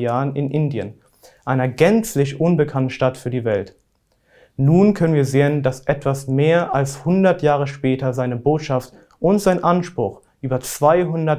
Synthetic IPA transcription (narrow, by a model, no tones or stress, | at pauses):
jaːənɪnʔɪndiə̰n | ʔaɪnɐɡɛnt͡slɪçʔʊnbəkʰantn̩ʃtatfyːɐdiːvɛlt | nuːnkʰœnənviːɐzeːəndasʔɛtv̥asmeːɐʔalshʊndɐtjaːʁ̞əʃpɛːtɐzaɪnəboːtʃaft | ʔʊntz̥aɪnʔanʃpʁ̥ʊx | ʔyːbɐt͡sv̥aɪɦʊndɐt